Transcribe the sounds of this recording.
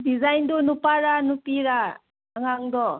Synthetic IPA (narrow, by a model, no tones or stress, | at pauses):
dizajndɔnupaɾanupiɾa | aŋaŋdɔ